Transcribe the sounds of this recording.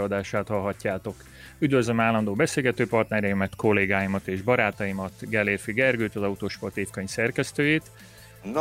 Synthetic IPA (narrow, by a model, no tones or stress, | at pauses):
ɒd̪aːʃaːt̪hɒlɦɒcːaːt̪o̞k | yd̪vøzlømaːlːɒnd̪oːbɛseːlɡɛt̪øːpɒrt̪nɛɾɛjimɛt̪ko̞lːeːɡaːjimɒt̪eːʒbɒɾaːt̪ɒjimɒt̪ɡɛleːrfiɡɛrɡøːt̪ɒzɒut̪oːʃpot̪ifkɒɲsɛrkɛst̪øːjeːt̪